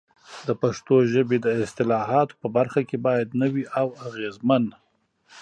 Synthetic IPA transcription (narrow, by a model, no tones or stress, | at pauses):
d̪əpaʂt̪oʒəbed̪əɪst̪ɪlɑɦɑt̪o̥pəbaɾxakebɑjad̪nəwiʔawaɣezman